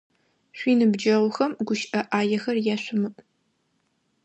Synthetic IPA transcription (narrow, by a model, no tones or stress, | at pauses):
ɕʷiːnɨbd͡ʒɐʁʷʊxɐmɡʷʊʃʔɐʔaːjɛxɐrjaɕʷʊmɨʔ